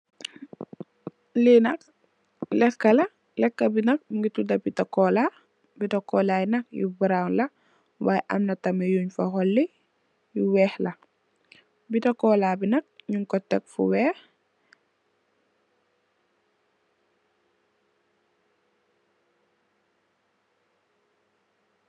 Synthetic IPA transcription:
linɐk̚ | lɛkːɐlɐ | lɛkːɐbinɐk̚ŋɡitudɐbitɐkɔla | bitɐkɔːlajinɐkjṵbuɾaŋlɐ | waːjɛʔɐ̰mnɐtɐmɛjuːɲfɐhɔlːi | juwɛːhlɐ | bitɐkɔːlaːbinɐk̚ɲuŋkɔtɛ̰k̚fṵwɛːh

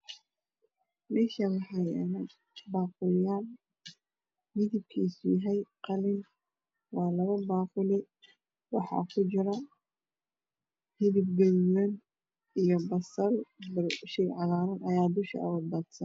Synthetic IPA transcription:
mɛːʃawɑħɑjɛ̰nɐ | baːqʊlɪjaːl | mɪðɪb̚kʰiːsʊjaɦɛjqɑlɪn | wɑːlɐβɐbaːqʊlɪ | wɑħɑ̰ːkʰʊt͡ʃɪɾɐ | hɪðɪbɡɐjwɐn | ijɔbɐsɐlbɐʃɛjʕɑlaːɾɐnʔɐjaːd̪ʊʃkɐ̰ɐ̰wʊdbɐd̪sɐn

